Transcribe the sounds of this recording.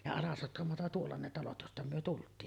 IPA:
jɑ ɑlɑsotkɑmotɑ tuolːɑ ne tɑlot jostɑ myø tultˑiːn

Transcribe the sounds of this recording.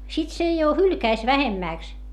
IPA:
sit se jo hylkæis ʋæhemːæˑks

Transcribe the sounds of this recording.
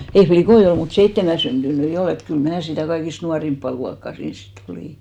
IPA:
ei flikoi ol mut seitːemæ syntynyi ol et kyl mæː sitæˑ kɑikist nuɑrimpːɑ luɑkːɑˑ siːns sit oliˑ

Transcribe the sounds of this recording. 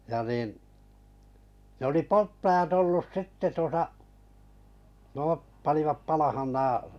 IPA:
jɑ niˑn ne oli poltːɑj̆ɑt olːus sitːe tuosɑ nŭoˑp pɑniʋɑp pɑlɑhɑn næː

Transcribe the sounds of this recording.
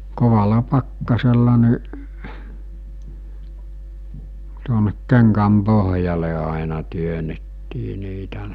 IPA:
koʋɑlɑ pɑkːɑselːɑ niʔ tuonek keŋkæm poɦjɑle ɑˑenɑ tyønetːiː niːtæ

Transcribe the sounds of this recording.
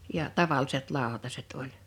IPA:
jɑ tɑʋɑlːiset lɑˑo̝tɑset olʲ

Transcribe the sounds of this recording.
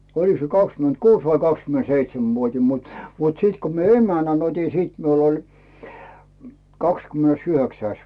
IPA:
oliks se kɑkskymentkuːs ʋɑi kɑkskymenseitsemʋuotʲim mut mut siˑt ko mie emænæn otʲi siˑt miul olʲ kɑkskymĕnesyhøksæis

